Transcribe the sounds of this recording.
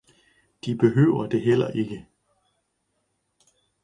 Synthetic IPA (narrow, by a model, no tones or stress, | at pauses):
d̥ib̥e̝ɦø̰ːʊɐd̥e̝ɦel̰ɐʔe̝ɡ̥ə